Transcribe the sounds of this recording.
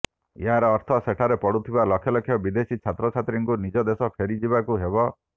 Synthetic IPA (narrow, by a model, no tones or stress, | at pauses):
eɦaɾɔːɾt̪ʰɔseʈʰaɾepɔɽut̪ʰibalɔkʰjɔlɔkʰːjɔbid̪esit͡ʃʰat̪ɾɔt͡ʃʰat̪ɾiŋkunid͡ʒɔd̪esɔpʰeɾid͡ʒibakuɦebɔ